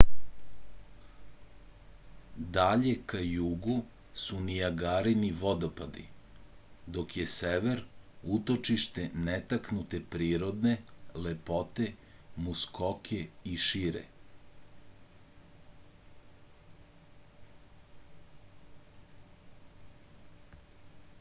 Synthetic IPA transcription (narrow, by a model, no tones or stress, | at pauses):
d̪aʎe̞kajuɡu | sunijaɡaːɾiniʋod̪opad̪ḭ | d̪okjeseʋeɾut̪o̞t͡ʃiʃt̪e̞net̪aknut̪epɾiːɾod̪ne̞lepot̪e̞muskokʰeiʃiɾḛ